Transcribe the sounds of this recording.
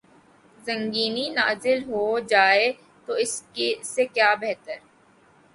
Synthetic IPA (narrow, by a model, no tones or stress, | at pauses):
zɐ̃ŋɡiːninaːzɪlɦod͡ʒaːe | t̪oɪskesekjaːbɛɦt̪əɾ